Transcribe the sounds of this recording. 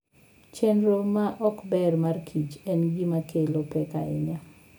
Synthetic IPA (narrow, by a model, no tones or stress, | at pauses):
t͡ʃɛnɾomaʔɔkbɛrmarkʰit͡ʃɛnɡimakʰelopɛkaɪ̰ɲa